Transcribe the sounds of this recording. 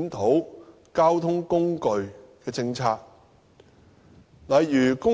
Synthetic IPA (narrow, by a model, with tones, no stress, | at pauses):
nt̪ʰo˨˥w | kaː˥wt̪ʰʊ˥ŋkʊ˥ŋkɵ˨˧ɥkɛː˧t͡sɪ˧ŋt͡sʰaː˧k̚ | lɐ˨jːyː˨˩kʊ˥